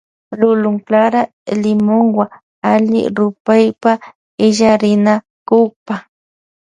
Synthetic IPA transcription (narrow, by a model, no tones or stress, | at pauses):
lʊlʊŋklaɾa | lɪmoŋwa | aʎɪ̰ɾʊpajpa | ɪʎaɾɪna | kʊpa